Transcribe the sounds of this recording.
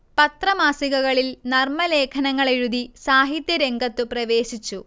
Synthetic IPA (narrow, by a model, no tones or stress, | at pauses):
pɐt̪rɐmaːsiɣɐɣɐɭilnɐrmɐle̞ːkʰɐnɐŋːɐɭeɻuðisaːɦit̪jɐɾe̞ŋɡɐt̪ːɨprɐʋe̞ːsit͡ɕːu